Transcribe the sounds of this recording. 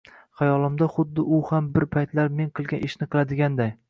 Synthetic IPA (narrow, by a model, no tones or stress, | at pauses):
χajɒlˠɪmd̪aχʊd̪ːɪʔʊhambɪɾpʰajt̪laɾme̞ŋqʰɨlˠɡʲanɪʃnɪqʰɨlˠad̪ɪɡʲand̪aj